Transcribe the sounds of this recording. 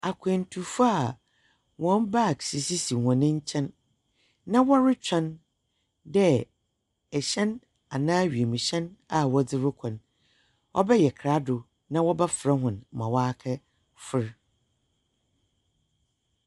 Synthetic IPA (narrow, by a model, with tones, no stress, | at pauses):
a˨kʰɛ̃˨n̩˨tʰu˨fa˨ | wɔ̃˨˦n˦ba˦˨ksi˨si˦si˨hɔ̃˨nɪ̃˦ɲ̩˦t͡ɕʰɛ̃˦nː | ã˦wɔ˦ɾɪ˦t͡ɕᶣʰã˦n | dɛ˦ | ɛ˨ɕɛ̃˦n | a˨nãː˦ɥi˨e˨mũ˨ɕɛ̃˦na˨wɔ˦d͡zɪ˦ɾʊ˦kʰɔ̃˨n | ʔɔ̰˦bɛ˦jɛ˨kʰɾa˦dʊ˨ | nã˦wɔ˦bɛ˦fɾɛ˦ɦʊ̃˨n˨mã˨waː˦kʰɛ˦ | fʊ˦ɾ